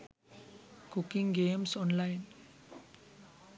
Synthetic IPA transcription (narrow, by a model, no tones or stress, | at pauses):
kukiŋɡeːmsɔːnlajn